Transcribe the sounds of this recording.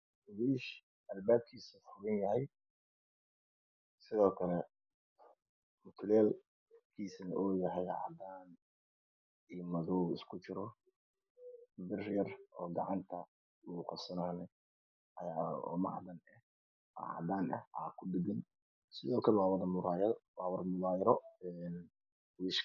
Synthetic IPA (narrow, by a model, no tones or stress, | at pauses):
βiːʃ | ʔɐlbaːb̚kʰiːsɐfʊβɐnjɐɦɛj | sɪðɔːkʰɐlɛ | mʊt̪ʰʊlɛːl | kʰiːsɐnɐʔɔːjɐɦɛjʕɑ̰d̪aːn | iːmɐðɔɪ̰skʰʊt͡ʃɪɾɔ | bɪrjɐrʔɔːɡɑʕɑnt̪ʰɐ | uːqɔsɐnaːnɐ | ɐjaːɔ̰ːmɑ̰ʕd̪ɐnɛh | a̰ʕɑ̰d̪aːnɐ̰haːkʰʊd̪ɪɡɐn | sɪðɔːkʰɐlɛwaːwɐðɐmʊɾaːjwawɐɾmʊðaːjɾɔɛn | wɪʃ